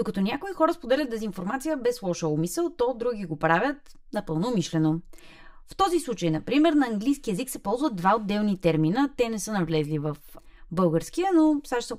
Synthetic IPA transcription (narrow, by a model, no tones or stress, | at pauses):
d̪̥okɐt̪ɔnʲakoixɔɾəspod̪ɛlʲət̪d̪ɛzinfoɾmat̪sijəbɛslˠɔʃəomisɛlˠt̪ɔd̪ɾuɡʲiɡopɾavʲjət̪ | nɐpɤlˠnomiʃlɛno | ft̪ɔzislˠut͡ʃəjnɐpɾimɛɾnɐːŋɡlijskiɛziksɛpɔlˠzvəd̪̚vaod̪ːɛlˠnit̪ɛɾminət̪ɛnɛsɤnɐvlɛzlivəf | bɤlˠɡəɾskijənosaʃs